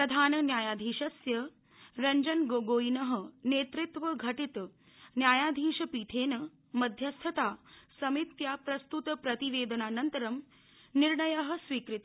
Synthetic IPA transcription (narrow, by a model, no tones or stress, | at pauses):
pɾɐd̪ʱaːnɐnjaːjaːd̪ʱiːʂɐsjɐ | ɾɐɲd͡ʑɐnɡoːɡoːinɐɦə̆neːt̪ɾit̪ʋɐɡʱɐʈit̪ | njaːjaːd̪ʱiːʂɐpiːʈʰeːnɐ | mɐd̪ʱjɐst̪ʰɐt̪aːsɐmit̪jaːpɾɐst̪ut̪pɾɐt̪iʋeːd̪ɐnaːnɐnt̪ɐɾɐm | niɾɳɐjɐɦə̆sʋiːkɾit̪